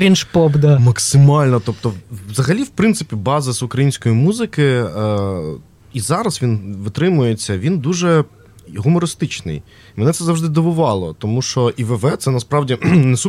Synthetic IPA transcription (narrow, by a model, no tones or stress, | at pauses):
ɾʲinʃpɔbd̪amɐksɪmɑlʲnɔt̪ɔp̚t̪ɔzɐɦɐlʲiwpɾɪnt̪sɪpʲibɑzɪzʊkɾɐjinʲsʲkɔjimuzɪkɪ | izɑɾɐsʋʲinʋɨt̪ɾɪmʊjet͡sʲːɐʋʲind̪uʒɛ | ɦʊmɔɾɪst̪ɪt͡ʃnɪ̰j | mɛnɛt̪ɛzɑwʐd̪ɪd̪ɔʋʊʋɑlˠɔt̪ɔmuʃt͡ʃɔʔiʋɛʋɛt̪sɛnɐspɾɑwdʲinɛsu